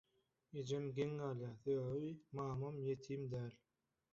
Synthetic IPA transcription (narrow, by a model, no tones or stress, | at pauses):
ed͡ʒemɡʲeŋːɑljɑːθøɣimɑːmɑmjet̪ʰiːmd̪æːl